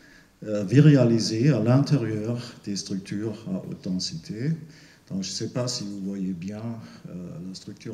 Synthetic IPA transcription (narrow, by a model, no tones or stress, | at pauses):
viʁealizealɛ̃t̪eʁjœːʁd̪̥est̪χʁyk̚t̪ʰyːʁa̰ʔo̰t̪̚d̪ɑ̃sit̪ʰe | d̪̥ɔ̃kʒ̥əsɛpasivuvwajebjɛ̃ø̰last̪χyk̚t̪yː